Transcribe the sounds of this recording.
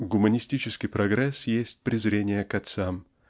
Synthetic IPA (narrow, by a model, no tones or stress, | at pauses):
ɡʊmənʲɪsʲtʲit͡ɕɪskʲɪjpɾɐɡɾɛsjesʲt̚ʲpɾʲɪzɾʲenʲɪjəkɐt̪sam